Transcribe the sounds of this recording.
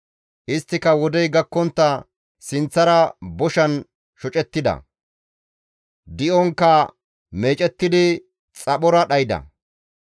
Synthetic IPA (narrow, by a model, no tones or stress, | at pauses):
ʔɪst̪ːɪkɐwɔd̪ɛjɡɐkːɔnt̪ːɐ | sɪnt͡sːɐɾɐbɔʃɐn | ʃɔt͡ʃʼɛt̪ːɪd̪ɐ̰ | d̪ɪʔɔŋkːɐ | me̞ːt͡ʃʼɛt̪ːɪd̪ɪ | t͡sʼɐɓɔɾɐɗɐjd̪ɐ̰